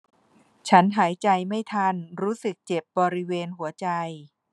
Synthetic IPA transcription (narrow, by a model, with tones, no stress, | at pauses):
t͡ɕʰa˦˥nɦaː˩˦jt͡ɕa˧jma˥˩jt̪ʰa˧˥nɾuː˦˥sɯ˨˩k̚t͡ɕe˨˩p̚bɔː˧ɾi˦˥weː˧nɦu˩˦ɐt͡ɕa˧j